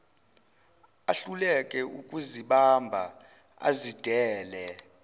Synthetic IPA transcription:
aɬulɛkʼɛukʼuziɓambʱa̰ | a̰zid̥ʱɛːlɛ

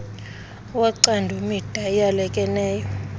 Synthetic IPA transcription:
waǀandʱumid̥ʱaɛjalɛkʼɛnɛːjɔ

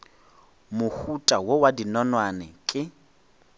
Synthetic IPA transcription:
mʊhutʼawowadinɔnwanɛ̰kʼɪ

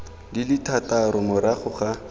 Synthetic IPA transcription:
dilɪtʰataɾʊmʊɾaχʊχa

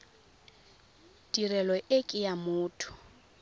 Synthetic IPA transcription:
d̥irɛlɔʔekʼɪjamʊːtʰʊ̥

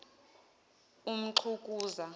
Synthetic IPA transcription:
um̩ǁʰukʼuːza

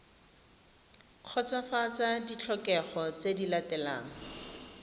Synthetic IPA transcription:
q͡χʰɔt͡safat͡sadit͡ɬʰɔkɛχɔt͡sedilatɛla̰ːŋ̩

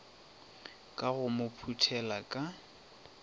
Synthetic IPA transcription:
kʼaɣʊmʊpʰutʰɛlakʼa

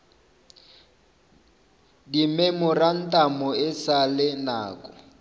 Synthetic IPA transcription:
dimemʊran̩tʼamɔɪsalɪnaːkʼɔ̥

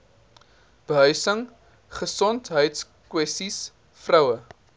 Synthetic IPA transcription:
b̥əɦœɥsəŋ | χəsɔntɦœjts | kwɛstis | frœwə

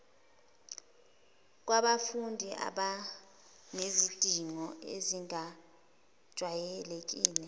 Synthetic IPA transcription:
k̬waɓafundʱiʔa̰ɓa | ŋezid̥ʱiŋɔḛziŋa | d̥ʒ̥ʱwajɛlek̬ʼiːlɛ

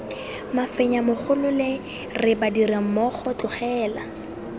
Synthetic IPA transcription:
mafɛɲamʊk͡xʰʊlʊle | rɪbadiram̩mɔχɔt͡ɬʼʊχɛːla

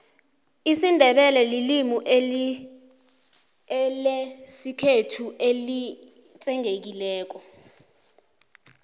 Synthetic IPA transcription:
isindʱɛɓɛlɛlilimuʔe | lesikʰetʰuʔeli | t͡sʼɛŋʱek̬ilɛːk̬ɔ

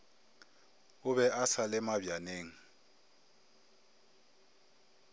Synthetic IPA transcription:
ʊβɛʔasalɪmabjaneːŋ̩

